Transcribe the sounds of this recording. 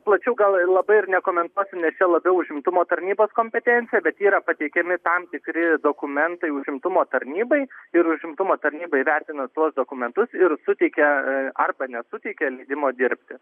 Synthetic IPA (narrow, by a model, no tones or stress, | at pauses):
plˠɐt͡ʃʲɛʊɡɐlˠlˠɐbɐɪɪrnʲɛkoːmʲɛnt̪uɔsʲɪnʲɛst͡ʃʲɛlˠɐbʲɛʊʊʒʲɪmt̪ʊmoːt̪ɐɾʲnʲiːboːskoːmʲpʲɛt̪ʲɛnʲtt͡s̪ʲɪjɛbʲɛt̪iːɾɐpɐt̪ʲɛɪkʲɛmʲɪt̪ɐmt̪ʲɪkɾʲɪd̪oːkʊmʲɛnt̪ɐɪʊʒʲɪmt̪ʊmoːt̪ɐɾʲnʲiːbɐɪɪɾʊʒʲɪmt̪ʊmoːt̪ɐɾʲnʲiːbɐɪʋʲɛrʲt̪ʲɪnɐt̪uɔsd̪oːkʊmʲɛnt̪ʊsɪɾsʊt̪ʲɛɪkʲɛɐrbɐnʲɛsʊt̪ʲɛɪkʲɛlʲɛɪd̪ʲɪmoːd̪ʲɪɾʲpʲt̪ʲɪ